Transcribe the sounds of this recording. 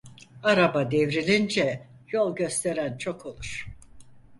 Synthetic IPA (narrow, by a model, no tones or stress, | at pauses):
aɾabad̪evɾilʲind͡ʒɛ | jo̞lˠɟø̞st̪ʰe̞ɾænt͡ʃʰo̞kʰo̞lˠuɾ̥